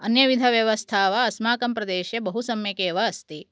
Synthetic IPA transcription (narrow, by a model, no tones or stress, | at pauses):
ɐnjɐʋid̪ʱɐʋjɐʋɐst̪ʰaːʋɐɐsmaːkɐmpɾɐd̪eːʃebɐɦusɐmjɐkeːʋɐːst̪i